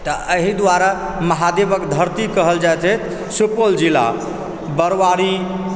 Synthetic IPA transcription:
t̪ɔəɦid̪waɾa | məɦad̪ebəkd̪ʱəɾt̪ikəɦəld͡ʒajt̪ʰɦɛt̪ʰ | supold͡ʒila̰ | bəɾʋaɾi

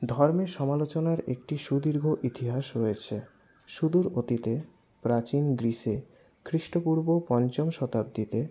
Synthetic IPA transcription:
d̪ʱɔɾmeʃɔmalot͡ɕonaɾek̚ʈiʃud̪iɾɡʱoʔit̪iɦaʃɾoet͡ɕʰe | ʃud̪uɾot̪it̪e | pɾat͡ɕinɡɾiʃe | kʰɾiʃʈopuɾbopɔnt͡ɕomʃɔt̪ab̚d̪it̪e

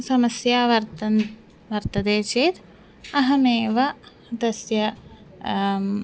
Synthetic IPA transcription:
sɐmɐsjaːʋɐɾt̪ɐn | ʋɐɾt̪ɐd̪eːt͡ʃeːt̪ | ɐɦɐmeːʋɐ | d̪ɐsjɐ

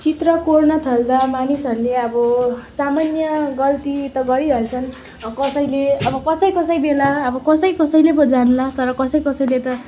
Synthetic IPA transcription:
t͡sit̪rʌkornʌt̪ʰʌld̪amanisʌɾuleʌbʌsamanjʌɡʌlt̪it̪ʌɡʌɽiɾʌlt͡sʰʌn | kʌsʌjleʌbʌkʌsʌjkʌsʌjbelaːbʌkʌsʌjkʌsʌjlebʌd͡zanulat̪ʌɾʌkʌsʌjkʌsʌjlet̪ʌ

